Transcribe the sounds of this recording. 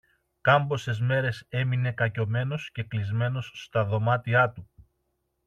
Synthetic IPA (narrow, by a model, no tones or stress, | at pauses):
kɐmbo̞se̞zme̞ɾe̞se̞mine̞kɐco̞me̞no̞sce̞klizme̞no̞sːt̪ɐðo̞mɐt̪iɐt̪u